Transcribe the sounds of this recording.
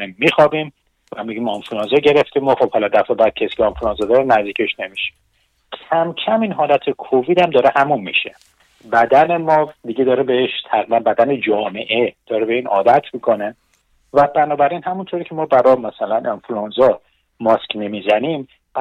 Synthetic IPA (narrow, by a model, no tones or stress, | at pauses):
imːixɒːbim | væmiɟimɑnfluɑnzɒɟe̞ɾeft̪imɔχo̞b̥hɒlɒd̪æfebæd̪̚cʰesi̥ːcʰeenfluɑnzɒd̪ɒɾenæzd̪iːkcʰeʃne̞miʃe̥ | cʰæmcʰæminɦɒːlæt̪ʰekʰoviːd̪æmd̪ɒːɾehæmumːḭʃe | bæd̪ænemɒːd̪iɟed̪ɒːɾebeeʃt̪ʰæɣɾiːbænbæd̪æned͡ʒɒːme̞ʔed̪̥ɒːɾebeinʔɒ̰ːd̪æt̪ʰmikʰone | væbænɒːbæɾinɦæmunt̪ʰoɾiːcʰemɒːbæɾɒmæsælænʔenfluɑnzɒ | mɒskne̞mizænim | b̥